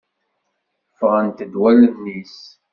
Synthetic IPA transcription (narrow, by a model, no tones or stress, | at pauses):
fʁənt̪əd̪wæləðnis